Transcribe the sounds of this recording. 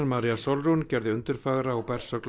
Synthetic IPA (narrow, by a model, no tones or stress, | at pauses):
nmaɾijasɔlruncɛɾðɪʏnt̪ʏɾ̥faːɣɾaːwpɛr̥sœkl